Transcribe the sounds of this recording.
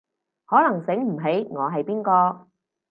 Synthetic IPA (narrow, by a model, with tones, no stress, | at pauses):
hɔː˨˥lɐ˨˩ŋsɪ˨˥ŋm̩˨˩ɦe˨˥jŋɔː˨˧ɦɐ˨jpiː˥nkɔː˧